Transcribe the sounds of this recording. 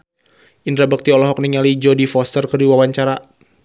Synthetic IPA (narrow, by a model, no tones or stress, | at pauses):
ʔindɾabək̚t̪iɔlɔɦɔk̚niŋalid͡ʒɔdifɔst̪ərkərdiwawaɲt͡ʃaɾa